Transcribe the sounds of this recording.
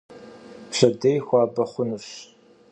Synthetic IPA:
pɕɐdɐjxʷɑːbɐχʷʊnuɕ

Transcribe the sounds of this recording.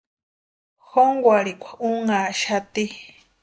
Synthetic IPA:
xoŋɡʷaɾikʷʰḁʔuŋaʃat̪i

